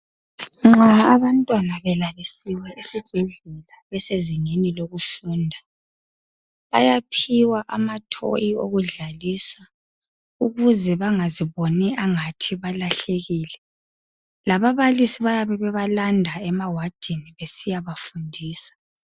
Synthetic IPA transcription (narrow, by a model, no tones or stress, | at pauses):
ŋ͡ǁaːβantʼwanaβɛlalisiwɛʔisib̥ʱeɮulaβɛseziŋeniloɣufuːndʱa | βajapʰiwaʔamatʰo̰jioɣuɮalisa | uɣuzɛβaŋaziβonɛʔaŋatʰiβalaɬeɣiːlɛ | laβaβalisiβajaβɛβɛβalandʱaɛmawad̥ʱiniβesijaβafundʱiːsḁ